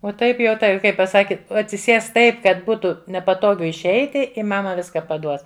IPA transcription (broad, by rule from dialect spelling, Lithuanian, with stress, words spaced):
oː ˈtɐɪp jɛʊ ˈtɐɪ ˈkɐɪ pɐˈsɑːkʲɪ ɐtʲsʲɪˈsʲeːs ˈtɐɪp kɐt ˈbuːtʊ nʲɛpɐˈtoːɡʊ ɪʃʲˈɛɪtʲɪ ɪ ˈmɑːmɐ ˈʋʲɪskɐ pɐˈduɔs